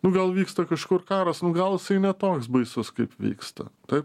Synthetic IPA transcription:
nʊɡɐlˠʋʲiːkst̪ɐkɐʃkʊrkɑːɾɐsnʊɡɐlˠɪsɐɪnʲɛt̪oːksbɐɪsʊskɐɪpʋʲḭːkst̪ɐ̰t̪ɐɪp

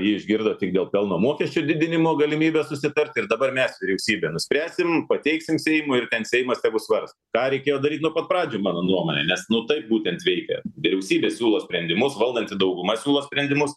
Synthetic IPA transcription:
jiːɪʒʲɡʲɪrd̪oːt̪ʲɪɡ̚d̪ʲeːlˠpʲɛlˠnoːmuɔkʲɛsʲt͡ʃʲʊd̪ʲɪd̪ʲɪnʲɪmoːɡɐlʲɪmʲiːbʲɛsʊsʲɪt̪ɐrʲt̪ʲɪrd̪ɐbɐrmʲɛsʋʲɪɾʲɛʊsʲiːbʲɛːnʊsʲpʲɾʲæːsʲɪmpɐt̪ʲɛɪksʲɪmsʲɛɪmʊɪrt̪ʲɛnsʲɛɪjmɐst̪ʲɛːɡʊsʋɐrst̪okɑːɾʲɛɪkʲeːjoːd̪ɐɾʲit̪ʲnupɐt̪prɑːd͡ʒʲoːmɑːnoːnuɔmoːnʲɛ̰nʲɛsnʊt̪ɐɪp̚buːt̪ʲɛnt̪ʋʲɛɪkʲɛ̰ʋʲɪɾʲɛʊsʲiːbʲeːsʲuːlˠoːsʲpʲɾʲɛnʲd̪ʲɪmʊsʋɐlˠd̪ɐnʲt̪ʲɪd̪ɐʊɡʊmɐsʲuːlˠoːsʲpʲɾʲɛnʲd̪ʲɪmʊs

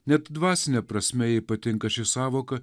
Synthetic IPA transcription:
nʲɛt̪d̪ʋɑːsʲɪnʲɛpɾɐsʲmʲɛjɛɪpɐt̪ʲɪŋkɐʃʲɪsɑːʋoːkɐ

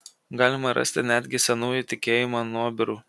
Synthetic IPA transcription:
ɡɑːlʲɪmɐɾɐ̰sʲt̪ʲɪnʲæd̪ʲɡʲɪsʲɛnuːjut̪ʲɪkʲeːjɪmonuɔbʲɪɾuː

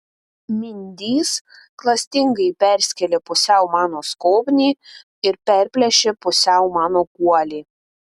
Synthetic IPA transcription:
mʲɪnʲd̪ʲiːs | klˠɐsʲt̪ʲɪŋɡɐɪpʲɛɾʲsʲkʲɛlʲepʊsʲɛʊmɑːnoːskoːbʲnʲiː | ɪɾpʲɛɾʲpʲlʲɛʃʲepʊsʲɛʊmɑːnoːkuɔlʲiː

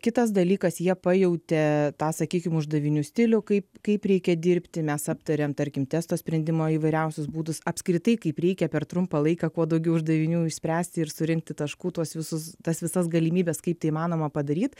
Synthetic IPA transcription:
kʲɪt̪ɐsd̪ɐlʲiːkɐsjiɛpɑjɛʊt̪ʲɛt̪ɑːsɐkʲiːkʲɪmʊʒd̪ɐʋʲɪnʲuːsʲt̪ʲɪlʲʊkɐɪpkɐɪpɾʲɛɪkʲɛd̪ʲɪɾʲpʲt̪ʲɪmʲɛsɐpt̪ɐɾʲɛmt̪ɐɾʲkʲɪmt̪ʲɛst̪oːsʲpʲɾʲɛnd̪ʲɪmoːiːʋɐɪɾʲɛʊsʲʊsbuːd̪ʊsɐpʲskɾʲɪt̪ɐɪkɐɪpɾʲɛɪkʲɛpʲɛrt̪ɾʊmpɐlˠɐɪkɐkuɔd̪ɐʊɡʲɛʊʊʒd̪ɐʋʲɪnʲuːɪʃʲsʲpʲɾʲæːsʲt̪ʲɪɪɾsʊɾʲɪŋk̚t̪ʲɪt̪ɐʃkuːt̪uɔsʋʲɪsʊst̪ɐsʋʲɪsɐsɡɐlʲɪmʲiːbʲɛskɐɪp̚t̪ɐɪimɑːnoːmɐpɐd̪ɐɾʲiːt̪

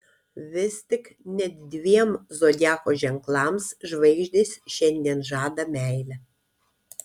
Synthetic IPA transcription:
ʋʲɪst̪ʲɪknʲɛt̪ʲd̪ʲʋʲiɛmzoːd̪ʲæːkoːʒʲɛŋklˠɑmsʒʋɐɪʒʲd̪ʲisʲʃʲɛnʲd̪ʲiɛnʒɑːd̪ɐmʲæˑɪlʲɛ

